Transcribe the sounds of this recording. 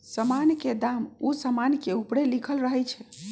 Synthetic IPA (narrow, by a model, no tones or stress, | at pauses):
səmanked̪amusəmankeupɽelikʰəlɾəɦɛt͡ʃʰɛ